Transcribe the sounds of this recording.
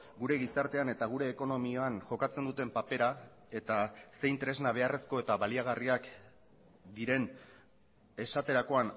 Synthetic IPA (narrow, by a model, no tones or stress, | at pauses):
ɡuɾe̞ɣisaɾt̪e̞ane̞t̪aɣ̞uɾe̞ːko̞no̞mioanʝo̞kat͡se̞nd̪ut̪e̞mpape̞ɾa | e̞t̪ase̞jnt̪ɾe̞znaβ̞e̞are̞sko̞e̞t̪aβaliaɣ̞ariak | d̪iɾe̞n | e̞sat̪e̞ɾako̞an